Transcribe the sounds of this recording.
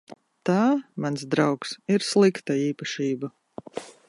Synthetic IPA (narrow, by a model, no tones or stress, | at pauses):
t̪aːmansd̪ɾawksiɾslˠikt̪aiːpaʃiːba